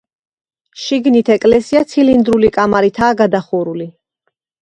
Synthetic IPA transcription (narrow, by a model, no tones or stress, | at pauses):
ʃiɡnit̪ʰɛkʼlɛsiat̪sʰilind̪ɾulikʼamaɾit̪ʰaːɡad̪aχuɾuli